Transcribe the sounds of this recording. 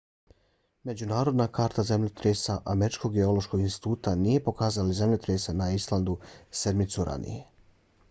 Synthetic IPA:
me̞d͡ʑunaːɾo̞d̪nakaːɾt̪azemʎet̪ɾesaʔameɾit͡ʃko̞ɡɡeo̞lˠoʃko̞ɡinst̪i̥t̪uːt̪anije̞po̞kaːzalize̞mʎet̪ɾesanaislˠand̪use̞d̪mit̪suɾʔa̰nḭje̞

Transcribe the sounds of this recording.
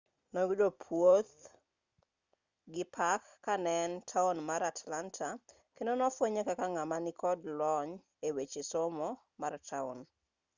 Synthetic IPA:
nɔɡidopʰwot̪ | ɡɪpʰakːanɛntʰaunmaɾatlantʰa | kendonɔfwoɲekakaŋamanɪkɔdlɔɲ | ewet͡ʃesɔmɔ | martʰaṵn

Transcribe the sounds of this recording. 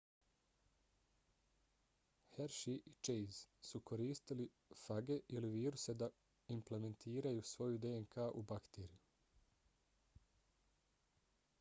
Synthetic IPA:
heɾʃiʔit͡ʃejzsuko̞ɾiːst̪ili | faɡe̞ʔiliʋiːɾuse̞d̪a | imple̞me̞nt̪ʰiːɾajusʋo̞jud̪eeŋkʰaːʔubakt̪eːɾiju

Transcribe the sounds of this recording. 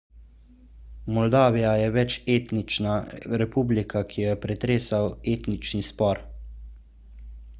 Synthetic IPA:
mɔld̪aːʋijajɛʋɛt͡ʃeːt̪nit͡ʃnaɾɛpublikʰakʰijɛpɾɛt̪ɾeːsaweːt̪nit͡ʃnispɔɾ

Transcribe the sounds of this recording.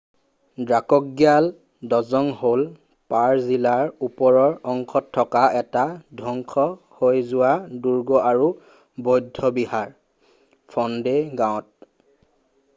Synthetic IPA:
dɹakɔk̚ɡjal | dɔzɔŋhol | paɹzilaɹupɔɹɔɹɔŋkʰɔtʰːɔkaʔɛtadʱɔŋkʰɔ | hojzʊwaduɹɡɔʔaɹu | bɔjdʱːɔbihaɹ | pʰɔndeɡãw̃t̚

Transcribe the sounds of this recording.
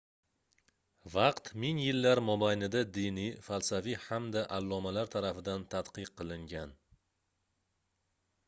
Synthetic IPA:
vɑqt̪mɪŋjɪlːaɾmobajnɪd̪ad̪ɪnifalsafihamd̪aʔalˠːɒmalaɾt̪ʰaɾafɪd̪ant̪ʰat̪qɨqʰːɨlˠɪŋɡʲan

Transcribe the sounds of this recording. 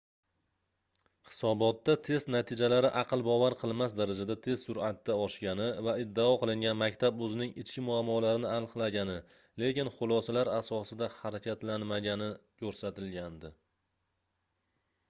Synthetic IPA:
hɪ̥sɒbɒt̪ːat̪ʰe̞st̪nat̪ʰɪd͡ʒalaɾɪʔɑqɨlˠbɒvaɾqʰɨlˠmasd̪aɾad͡ʒad̪at̪ʰe̞zsʊɾat̪ːaɒʃɡʲanɪvaɪd̪ːaɒqʰɨlˠɪŋɡʲanmakʲt̪ʰabɵzɪnɪŋɪt͡ʃkʲɪmʊamːɒlaɾɪnɪanqʰɨlˠaɡʲanɪ | le̞kʲɪnχʊlˠɒsalaɾasɒsɪd̪ahaɾakʲʰat̪lanmaɡʲanɪkʰʲɵɾsat̪ɪlɡʲand̪ɪ

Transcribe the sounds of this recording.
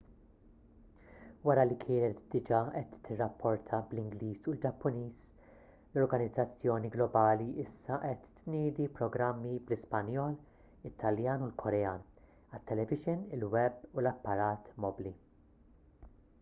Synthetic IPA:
wɐɾɐlikʰɪːnɛt̪d̪ɪd͡ʒɐʔɛt̪ːɪrːɐpʰːɔɾt̪ʰɐblɪŋɡliːsuld͡ʒɐpːʊniːs | lɔɾɡɐnɪd͡zːɐt͡sːjɔːniɡlɔbɐːliʔɪsːɐʔɛt̪ːnɪːd̪ipɾɔɡɾɐmːiblɪspɐnjɔːl | ɪt̪ʰːɐljɐːnulkʰɔɾɛjɐːn | ɐt̪ːɛlɛvɪʒɪnɪlwɛbulɐpːɐɾɐːt̪mɔbli

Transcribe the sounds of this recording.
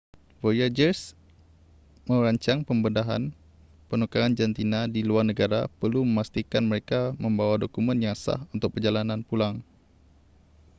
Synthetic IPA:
vojad͡ʒərs | mə̃ɾaɲt͡ʃaŋpəmbəndaɦa̰n | pənukaːnd͡ʒant̪inadiluarnəɡaɾapərluməmast̪ikanməɾekamə̃mbawadokumə̃njaŋsa̰hunt̪ʊk̚pərd͡ʒalanãnpulaŋ

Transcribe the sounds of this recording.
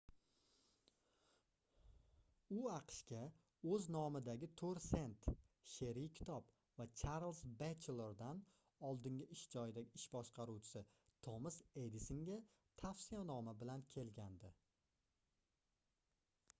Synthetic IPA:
ʊɑqʃkʲa | ɵznɒmɪd̪aɡʲɪt̪ʰoɾse̞nt̪ʃe̞ɾijkʲʰɪ̥t̪ʰɒb | vat͡ʃʰaɾlˠzbat͡ʃlˠeɾd̪an | ɒlˠd̪ɪŋɡʲɪʔɪʃd͡ʒɒjɪd̪aɡʲɪɪʃbɒʃqʰɑɾuwt͡ʃʰɪ̥sɪt̪ʰomɪsed̪ɪsɪŋɡʲa | t̪ʰafsijanɒmabɪlankʲʰe̞lɡʲand̪ɪ

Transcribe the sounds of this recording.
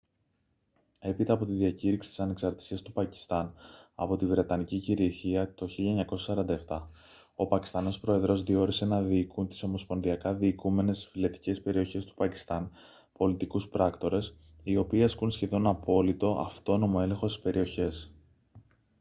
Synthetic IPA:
e̞pit̪ɐːpo̞t̪iðiɐciɾiksi̥t̪i̥sɐne̞ksɐɾt̪i̥siɐst̪upɐci̥st̪ɐnɐ̰po̞t̪ivɾe̞t̪ɐniciciɾiɐɾçiɐt̪o̞çiʎiɐɲɐko̞sɐsɐɾɐnd̪ɐeft̪ɐ | o̞pɐci̥st̪ɐno̞spɾoe̞ðɾo̞zðio̞ɾise̞nɐðiːkunt̪i̥so̞mo̞spo̞nðiɐkɐðiːkume̞ne̞sfilet̪i̥ce̞spe̞ɾio̞çe̞st̪u̥pɐci̥st̪ɐn | po̞lit̪ikuspɾɐkt̪o̞ɾe̞s | io̞piːɐskunsçe̞ðo̞nɐpo̞lit̪o̞ʔɐ̰ft̪o̞no̞mo̞e̞le̞ŋxo̞st̪i̥spe̞ɾio̞çe̞s

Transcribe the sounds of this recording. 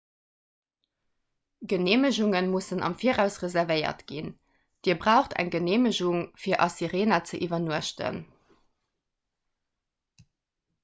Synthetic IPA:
ɡəneːməʑuŋənmusənʔɑ̰mfiːəʁæʊsʁəzæʁvəɪɐ̰tɡ̥in | d̥iːɐbʁæʊχtʰæ̰ŋɡəneːməʑuŋfiːɐʔɑsiʁeːnɐt͡səʔivɐnuəʃtə̰n

